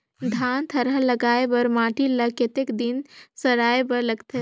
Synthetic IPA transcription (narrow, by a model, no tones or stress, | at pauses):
d̪ʱaːnt̪ʰəɾələɡaːebəɾmaːʈiləket̪ekd̪insəɾaːebəɾləɡt̪ʰe